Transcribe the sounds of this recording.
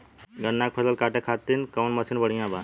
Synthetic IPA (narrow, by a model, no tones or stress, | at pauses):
ɡənːak̚pʰəsəlkaːʈekʰat̪ːinkənmɐsinbəɽ̤ijãba